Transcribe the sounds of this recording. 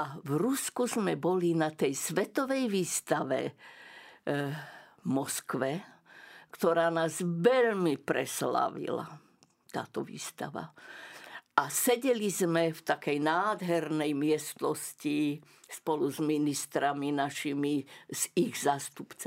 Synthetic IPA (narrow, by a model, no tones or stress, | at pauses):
avɾuskuzmɛbɔlinat̪ɛjsʋɛt̪ɔʋɛjʋiːst̪aʋɛ̰ | mɔskʋɛ | kt̪ɔɾaːnaːzʋɛʎmipɾɛsla̰ʋḭla̰ | t̪a̰ːt̪ɔʋḭːst̪a̰ʋa̰ | ʔasɛɟɛlizmɛft̪akɛjnaːd̪ɦɛɾnɛjmɪɛst̪nɔsci | spɔluzminist̪ɾaminaʃimiz̥iɣzaːst̪upt͡s